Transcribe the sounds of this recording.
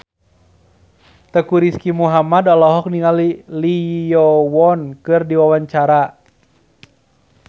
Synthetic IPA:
t̪əkuɾiskimuɦamadɔlɔɦɔk̚niŋalilijɔwɔnkɨrdiwawaɲt͡ʃaɾa

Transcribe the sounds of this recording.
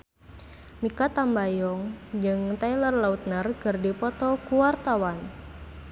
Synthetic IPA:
mikat̪ambajɔŋd͡ʒɨŋt̪ailərlaut̪̚nərɡɨrdipɔt̪ɔkuwart̪awan

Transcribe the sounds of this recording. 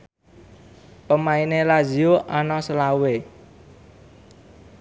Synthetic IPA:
pəmainelad͡ʒioʔanɔsəlauwe

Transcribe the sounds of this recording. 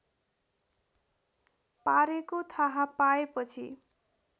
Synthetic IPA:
paɾekot̪ʰaɦapaepʌt͡sʰḭ

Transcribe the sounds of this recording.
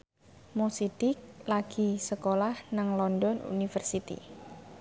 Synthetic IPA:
mosid̪̥ɪk̚laɡ̥i̤səkolahnaŋlɔndɔnṵnifərsit̪ḭ

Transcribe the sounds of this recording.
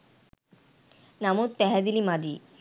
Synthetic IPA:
namut̪̚pɛɦad̪ilimad̪i

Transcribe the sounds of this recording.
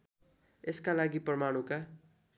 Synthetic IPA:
eskalaɡiprʌmaɽ̃ũka

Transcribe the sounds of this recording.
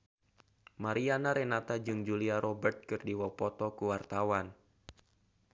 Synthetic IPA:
maɾianaɾɛnat̪ad͡ʒɨŋd͡ʒuliaɾʔɔbərt̪̚kɨrdiwɔpɔt̪ɔkuwart̪awan

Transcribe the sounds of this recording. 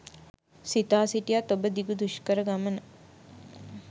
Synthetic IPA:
sit̪aːsiʈijat̪obəd̪iɡud̪uʃkəɾəɡamənə

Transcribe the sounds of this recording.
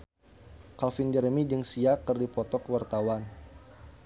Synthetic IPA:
kalfind͡ʒəɾmid͡ʒəŋsiakərdipɔt̪ɔkəwart̪awan

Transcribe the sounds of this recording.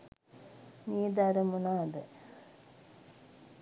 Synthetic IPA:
niːd̪aɾɐmunaːd̪e

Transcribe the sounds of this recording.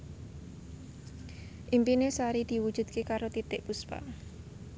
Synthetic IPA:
ʔimpinesaɾid̪̥i̤wu̥ʒ̥ṳd̪̥̚kekaɾot̪it̪ɪʔpuspa̰

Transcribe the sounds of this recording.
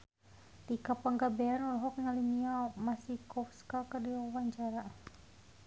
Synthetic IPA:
dikapaŋɡabɛanulɦɔk̚ŋaliniamasikɔfskakərdiawaɲt͡ʃaɾa

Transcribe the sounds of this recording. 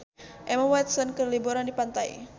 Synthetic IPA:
ʔɛmawɛt̪sɔnkərliboɾandipant̪aḭ

